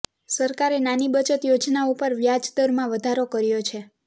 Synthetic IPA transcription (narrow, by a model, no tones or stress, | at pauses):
səɾkaɾenanibət͡ʃət̪jod͡ʒnaupəɾʋjad͡ʒt̪əɾmãʋəd̪ʱaɾokəɾjot͡ʃʰe